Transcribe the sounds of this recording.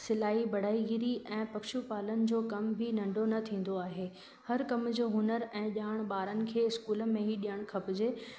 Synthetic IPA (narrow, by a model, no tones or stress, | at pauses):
sɪlaːibɐɽ̤aːiɡiɾiʔɛ̃ːpɐkʃupaːlənɪ̆d͡ʑoːkɐmbʱinɐ̃ɳɖʱonɐt̪ʰĩːn̆d̪oaːɦeː | hɐɾkɐmd͡ʑoːɦʊnəɾɛ̃ːʄaːɽ̃ɓaːɾənɪ̆kʰeːɪskuːlə̆mẽɦiɗijəɽ̃kʰɐpd͡ʑeː